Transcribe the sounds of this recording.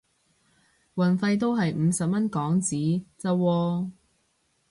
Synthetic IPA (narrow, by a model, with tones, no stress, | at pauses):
wɐ˨˩nfɐ˧jt̪̬o˥wɦɐ˨jm̩˨˧sɐ˨p̚mɐ˥nkɔː˨˥ŋt͡siː˨˥t͡sɐ˧wɔː˧